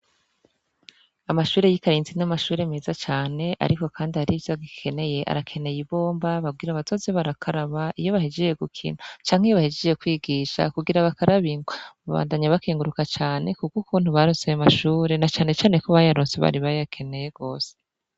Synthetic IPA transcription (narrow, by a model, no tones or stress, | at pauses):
amaʃuːɾe̞jikaɾiːnzinamaʃuːɾe̞me̞ːzat͡ʃaːne̞ʔa̰ɾiko̞kʰaːndihaɾivjaɡikʰe̞ne̞je̞ʔa̰ɾakʰe̞ne̞jiβo̞ːmbaβab̚ɡiːɾaβatʰo̞zeβaɾakʰaɾaβaʔijo̞βahed͡ʒeje̞ɡukʰḭnat͡ʃaːŋ̥hijoβahed͡ʒejekwiːɡiːʃa̰kuɡiɾaβakaɾʔaβiŋɡwaβaβa̰ːndaɲaβakiːŋɡuɾukat͡ʃaːne̞kukukʰuːnhuβaɾonsejamaʃuːɾe̞nat͡ʃaːne̞t͡ʃaːne̞koβajaɾoːnseβa̰ɾiβajakʰe̞ne̞je̞ɡo̞ːse̥